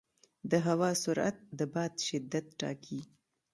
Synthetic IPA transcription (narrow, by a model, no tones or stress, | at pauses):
d̪əɦawɑsʊɾa̰t̪̚d̪əbɑd̪ʃɪd̪ːat̪ʈɑ̰kʰi